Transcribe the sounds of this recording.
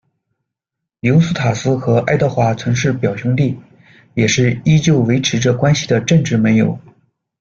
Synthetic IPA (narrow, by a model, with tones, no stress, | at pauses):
ljo˧˥ʊsu˥t̪ʰa˨˩sɹ̩˥xɤ˧˥ʔa˥˧ɪt̪ɑ˥˧ʊxwa˥˩t͡sʰwə˧˥nʂɻ̩˥˩pjɑ˨˩ʊɕu˧˥ŋt̪i˥˩ | jɛ˨˩ʂɻ̩˥˩i˥t͡ɕjo˥˩ʊwe˧˥ɪʈ͡ʂʰɻ̩˧˥ʈ͡ʂɤ˥˧kwa˥nɕi˨˩d̪ə˩ʈ͡ʂə˥˧ŋʈ͡ʂɻ̩˥˩mə˧˥njo̰˨˩˦ʊ